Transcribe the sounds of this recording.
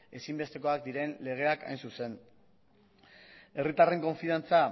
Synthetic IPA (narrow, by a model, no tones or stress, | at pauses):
e̞simbe̞st̪e̞ko̞ak̚d̪iɾe̞nle̞ɣ̞e̞aka̰jnsuse̞n | e̞rit̪are̞ŋko̞ɱfiðant͡sa